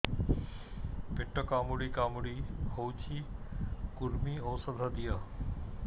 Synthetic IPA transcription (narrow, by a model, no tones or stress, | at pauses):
pɪʈəkaːmuɽikaːmuɽihoːt͡ɕʰiːkʊɾmioːsəd̪ʱəd̪ija